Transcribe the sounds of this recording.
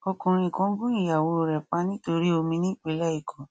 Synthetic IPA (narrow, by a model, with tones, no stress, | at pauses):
ɔ˧kũ˨ɾ̃ĩ˧˨kɔ̃˧˦ɡũ˦i˦˨ja˨wo˨˧˨ɾɛ˨k͡pa˧˦nĩ˦to˧ɾi˦o˧mĩ˧nĩ˦˨k͡pe˨˦la˦i˦˨kʰɔ̃˨˦